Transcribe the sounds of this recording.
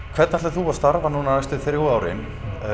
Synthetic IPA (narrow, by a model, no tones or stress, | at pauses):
kʰv̥ɛɾt̪nḁt̪lɛθuvast̪aɾvanunanast̪ɪðθɾjaːwɾɪ̰n